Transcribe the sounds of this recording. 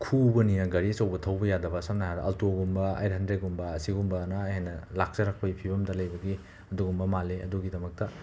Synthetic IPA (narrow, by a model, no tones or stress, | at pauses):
kʰubɐninɐɡɐɾisɐwbɐtʰɐwbɐjadɐbɐsɐmnɐɦadɐʔɐltoɡumbɐɐ̰jɾɦɐndɾeɡumbɐsiɡumbɐnɐːjhenːɐlak̚sɐɾak̚pɐipʰibɐmdɐlɐjbɐɡi | ɐduɡumbɐmaleɐ̰duɡidɐmɐk̚tɐ